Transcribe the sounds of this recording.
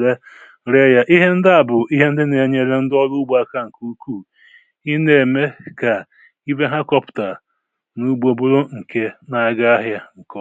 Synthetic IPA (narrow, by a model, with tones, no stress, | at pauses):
ɾe˦ | ɾe˦ja˦ʔi˦ɦe˦n̩˦dɪ˦a˨bʊ˨i˦ɦe˦n̩˦dɪ˦ne˨ɲe˨ɾe˦n̩˦dɔ˦lʊ˦ɡ͡ba˦ka˦ŋ̩˨ku˦kuː˦˨ | i˦ne˨me˦ka˨ | i˦be˦ɦa˦kɔ˦pʊ̥˨ta˨ | nu˦ɡ͡bo˨bʊ˦ɾo˦ŋ̩˨kʰe˦na˨ɡa˦a˦ɦja˦ŋ̩˨kɔ˦